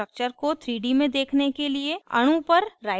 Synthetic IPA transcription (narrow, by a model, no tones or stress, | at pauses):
ək̚t͡ʃəɾkot̪ʰɾiːɖimẽd̪eːkʰnekelieɐ̰ɽ̃ũpɐɾːaːɪ